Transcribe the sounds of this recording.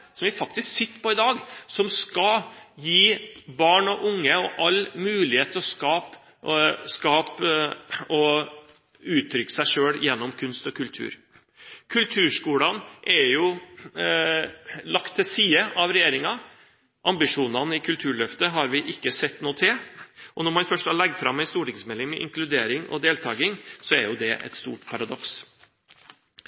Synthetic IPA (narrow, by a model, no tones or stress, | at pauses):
sɔmʋɪfɑk̚t̪ɪsksɪt̪ːə̥pɔɪd̪ɑːɡsɔmskɑjiːbɑːɳɔʔʊŋːəɔʔɑlmʉːlɪheːt̪ʰːɔskɑːp | skɑːp | ɔ | ʉːt̪ʰːɾʏkːə̥sæɪʂøːljɛnːɔmkʰʉnst̪ɔkʰʉlt̪ʰʉ̰ːɾ | kʰʉlt̪ʰʉːʂkuːlɑnʔɛɾjʊ | lɑkt̪ʰːɪsiːəʔɑʋɾɛjeːɾɪŋɑ | ʔɑmbɪʂuːnɑnəɪkʰʉlt̪ʰʉːɭœft̪əɦɑɾʋɪʔɪkːəsɛt̪ːnoːt̪ʰɪlʔɔnɔɾmɑnfœʂʈɑɭɛɡ̚d̪fɾɑmːæɪst̪uːʈɪŋsmɛlɪŋmɛʔɪ̰ŋklʉd̪eːɾɪŋʔɔ̰d̪eːlt̪ʰɑːɡɪŋsɔæɾjʊd̪ɛʔɛ̰t̪st̪ṵːʈpʰɑɾɑd̪ɔks